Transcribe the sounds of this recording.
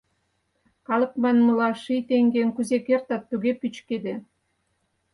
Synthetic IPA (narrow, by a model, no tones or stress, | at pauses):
kɑlɤ̆k̚mɑnməlɑʃijt̪eŋɡeŋkyzekert̪ɑt̪ːyɣepyt͡ɕked̪e